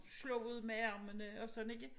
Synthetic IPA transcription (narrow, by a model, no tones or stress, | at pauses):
slɔuð̞̰ˠmeæɐ̰mənəɒ̽sɒ̽dne̝ɡ̥ə